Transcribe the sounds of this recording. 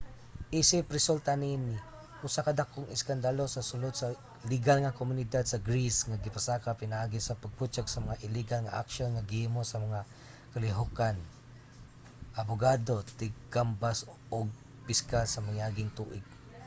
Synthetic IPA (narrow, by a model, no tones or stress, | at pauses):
ʔisɪpɾɛsult̪aninɪ | ʔusakad̪akʊŋʔɪskand̪alosasʊlod̪sa | lɪɡalŋakomʊnɪd̪ad̪̚saɡɾisŋaɡɪpasakapɪnaʔaɡisapaɡ̚put͡ʃaɡsɐmaŋaʔɪlɪɡalŋa̰ʔa̰kʃonŋaɡɪhimosɐmaŋa | kalɪɦʊkan | ʔabʊɡad̪ot̪ɪɡambas | oɡ̚ | pɪskalsɐmajaɡɪŋt̪uːʔɪɡ̚